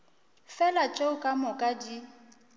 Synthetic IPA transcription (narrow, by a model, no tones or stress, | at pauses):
fɛlat͡ʃʼeʊkʼamʊkʼadi